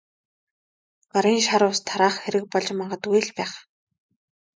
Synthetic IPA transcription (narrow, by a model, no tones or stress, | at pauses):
ɢ̥aɾiːnʃaɾʊːst̪ʰaɾaːχxeɾɘ̆k̚pɔɮt͡ɕmaɴɢə̆t̪ujɮpæːχ